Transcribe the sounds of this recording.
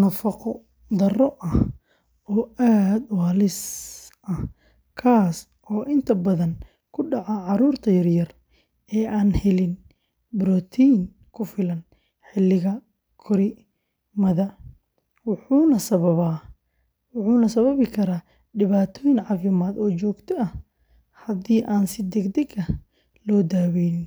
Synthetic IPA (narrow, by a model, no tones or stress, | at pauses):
nɐfɑqɔ | d̪ɐrɔʔɐh | ɔːaːd̪wɑːlɪsʔɐh | kʰaːs | ʔɔːʔɪnt̪ʰɐbɐðɐn | kʰʊɖɑʕaʕɑɾuːrt̪ʰɐjɐrjɐr | ɛːʔaːnhɛlɪn | bɾɔt̪ʰin | kʰʊfɪlɐn | ħɪlːɪɣɐ | kʰɔɾɪ | mɐðɐ | wħuːnɐsɐβɐβaː | ʊħuːnɐsɐβɐβɪkʰɐɾaː | ɖɪβaːt̪ʰɔːjɪnʕɑːfɪmaːd̪ɔːt͡ʃɔːɡt̪ʰɔɐh | hɐd̪iːʔaːnsɪd̪ɛɡd̪ɛɡɐ | lɔːd̪aːwɛjnɪn